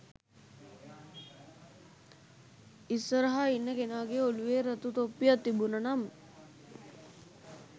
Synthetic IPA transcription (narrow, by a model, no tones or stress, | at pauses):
isʋəɾəɦainːəkenaːɡeoluʋeːɾət̪ut̪opːijat̪ːibunənam